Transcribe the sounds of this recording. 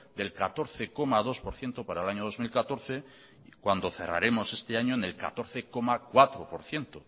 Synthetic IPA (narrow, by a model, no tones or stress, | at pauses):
d̪e̞lkat̪o̞ɾθeko̞mað̞o̞spo̞ɾθje̞nt̪opaɾaelaɲoð̞o̞zmilkat̪o̞ɾθe̞ | kwand̪o̞θe̞ra̰ɾe̞mo̞se̞st̪eaɲoenelka̰t̪o̞ɾθeko̞makwat̪ɾopo̞ɾθje̞nt̪o